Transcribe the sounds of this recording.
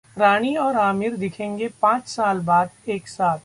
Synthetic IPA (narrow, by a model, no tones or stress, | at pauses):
ɾaːɽ̃iɔːɾaːmɪɾd̪ɪkʰẽːŋɡepãːt͡ʃsaːlbaːd̪eːksaːt̪